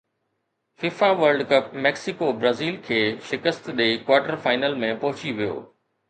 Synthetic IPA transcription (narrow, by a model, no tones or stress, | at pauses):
fɪːfaʋəɾɖkɐp̚mɛːksɪkobɾaːziːlkʰeːʃɪkəst̪ɗeikwaːɾʈəɾfaːɪnəlmẽpɐɦʊt͡ɕiʋijo̰ː